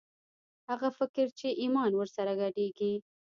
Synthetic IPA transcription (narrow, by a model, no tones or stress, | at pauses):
haɣafɪkɪɾt͡ʃeʔimɑnwəɾsaɾaɡaɖeɡi